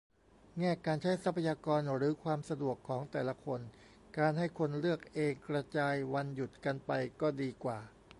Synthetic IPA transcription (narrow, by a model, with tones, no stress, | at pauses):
ŋɛː˥˩kaː˧nt͡ɕʰa˦˥˩jsa˦˥pʰa˧jaː˧kɔː˧nɾɯː˩˦kʰwaː˧msa˧du˨˩əkʰːɔː˩˦ŋt̪ɛː˨˩la˧kʰo˧n | kaː˧nɦa˥˩jkʰo˧nlɯ˥˩ək̚ʔeː˧ŋkɾa˧t͡ɕaː˧jwa˧nju˨˩t̪̚ka˧npa˧jkɔː˥˩diː˧kwaː˨˩